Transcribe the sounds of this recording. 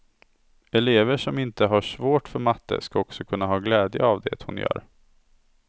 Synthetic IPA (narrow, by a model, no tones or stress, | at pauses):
ɛleːvəʂɔmɪnt̪əɦaʂvoːʈfœɾmat̪ːə̰skaɔksɔkʰɵnːaɦɑːɡlɛːd̪jəavd̪ɛ̰t̪hʊnjœ̰ːɾ